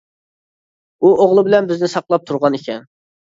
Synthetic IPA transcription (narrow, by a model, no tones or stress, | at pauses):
uʔoʁlˠɨbɪlɛnbɪznɪsɑqlˠɑp̚t̪ʰuɾʁɑnekʲʰɛn